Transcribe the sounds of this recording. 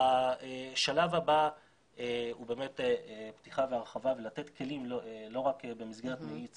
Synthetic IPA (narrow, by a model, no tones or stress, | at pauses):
aeʃalavaba | eube̞ːmeteeptiχaveaʁeχavavelate̞tkʰe̞limllo̞ʁakbe̞mizɡeʁet̪meit͡s